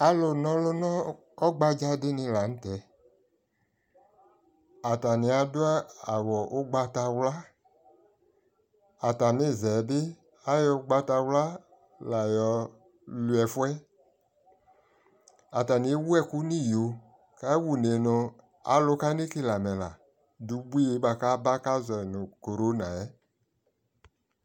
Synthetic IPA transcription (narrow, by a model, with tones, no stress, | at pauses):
a˨lo˧nɔ̃˧lo˧nɔ˦ | ɔ˦ɡ͡ba˧d͡ʒa˦dɪ˦nɪ̃˧la˨n̩˦tɛ˨ | a˨ta˨ni˧a˧dʊ˦a˦a˨wɔ˨ʔo˦ɡ͡ba˧ta˧wla˦ | a˨ta˨nĩ˦˨zɛ˨dɪ˦ | a˦jɔ˧˦ɡ͡ba˧ta˧wla˦ | la˨jɔ˧ | lwɛ˨fwɛ˦ | a˨ta˨ni˨˦wu˦ɛ˦ku˦ni˦˨jo˨ | ka˦wu˨ne˨nʊ˧ | a̰˨˦lʊ˦ka˦ni˦kɪ˦la˨mɛ˨la˨ | du˨bu˦i˦e˨˦ɓa˧ka˦ba˦ka˦zɛ˨nʊ˨ko˨ɾo˦nã˨ɛ˦